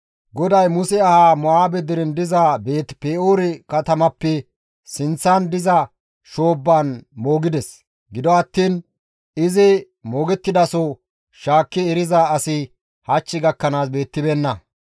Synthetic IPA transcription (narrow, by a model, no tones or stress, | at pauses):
ɡɔd̪ɐjmʊsɛɐhaːmɔaːbɛd̪ɪɾɛnd̪ɪzɐbeːt̪peːʔoːɾɪkɐt̪ɐmɐpːɛ | sɪnt͡sːand̪ɪzɐ | ʃo̞ːbːaːnmo̞ːɡɪd̪ɛs | ɡɪd̪ɔɐt̪ːiːn | ɪzɪ | moːɡɛt̪ːɪd̪ɐsɔ | ʃaːkːɪɛɾɪzɐɐsɪ | hɐt͡ʃːɪɡɐkːɐnaːsbe̞ːt̪ːɪbɛnːɐ